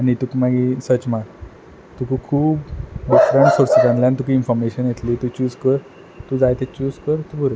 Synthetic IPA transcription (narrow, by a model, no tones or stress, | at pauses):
añit̪ukmaɡisət͡ɕmak | t̪ukʰukʰuːbɖifɾəɳʈsoɾsəkãnljanit̪ukiinfɔɾmeɕənjet̪liːt̪ut͡ɕuːd͡zkəɾ | t̪ud͡zajt̪et͡ɕuːd͡zkəɾt̪ubʱuɾə